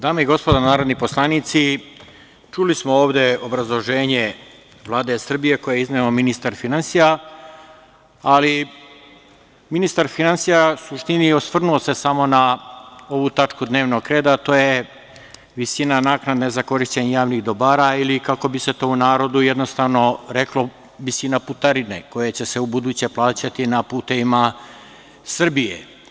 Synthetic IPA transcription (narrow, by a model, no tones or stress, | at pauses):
d̪aːmeiɡo̞spo̞d̪anaːɾo̞d̪niposlˠanit̪si | t͡ʃulismo̞oːʋd̪e̞o̞bɾazlˠo̞ʒe̞ːɲe | ʋlˠaːd̪e̞sr̩bije̞ko̞jeizneominist̪aɾfinansija | ali | minist̪aɾfinansijasuʃt̪inio̞sʋr̩nuose̞samo̞na | o̞ʋut̪at͡ʂkud̪ne̞ːʋnoɡkːɾe̞ːd̪at̪o̞ːje | ʋisinanaːknad̪nezako̞ɾiʃt͡ɕeɲajaːʋniɣd̪o̞baːɾailikako̞bise̞t̪o̞ːunaːɾo̞d̪ujed̪nost̪aʋno̞ɾe̞klo | ʋisinaput̪aɾinḛko̞jet͡ɕe̞se̞ubud̪uːt͡ɕe̞plˠaːt͡ɕat̪inapuːt̪e̞ʋima | sr̩bijḛ